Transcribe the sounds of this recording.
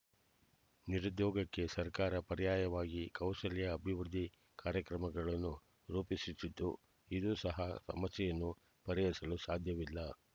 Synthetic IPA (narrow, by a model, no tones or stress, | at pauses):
niɾud̪jɔːɡɐkːe̞sɐɾkaːɾɐpɐɾijaːjɐʋaːɡikɐwʃɐlɛjɐːbʱiʋɾud̪ʱi | kaːɾjɐkɾɐmɐɡɐɭɐnːu | ɾuːpisisid̪ːṵ | id̪uːsɐɦɐsɐ̰mɐsːɛjɐnːu | pɐɾɛjɐsɐlusaːd̪ʱjɐʋilːɐ